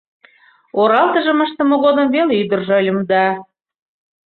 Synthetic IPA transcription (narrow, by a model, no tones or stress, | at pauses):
oɾɑlt̪əʒəməʃt̪ə̆moɣod̪əmveleyd̪ərʒəlʲə̆md̪ɑ